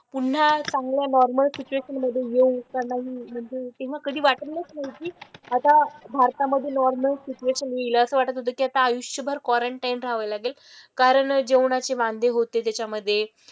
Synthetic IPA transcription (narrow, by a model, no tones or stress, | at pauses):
pun̤ːasãŋɡljanɔɾməlsit͡ɕueɕənməd̪ʱːjejeukaɾnaɦiːm̤əɳd͡zet̪eʋ̤akəd̪ʱiːʋaʈəlnət͡snaikiːat̪abʱaɾt̪aməd̪ʱːjenɔɾməlsit͡ɕueɕənjeiləːsəːʋaʈət̪ɦot̪̬əːkiat̪aːjuɕjəbʱəɾkʋɔɾəɳʈajnɾaɦʋəjlaɡeːl | kaɾəɳd͡ʑewɳat͡ɕeʋãnd̪ʱeɦot̪et̪jat͡ɕaməd̪ʱːje